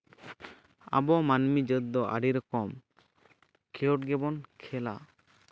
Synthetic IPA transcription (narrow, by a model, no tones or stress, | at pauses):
a̰bɔmanmid͡ʒəd̪ːɔʔa̰ɖiɾɔkɔm | kʰɛɔʈɡɛbɔnkʰɛla̰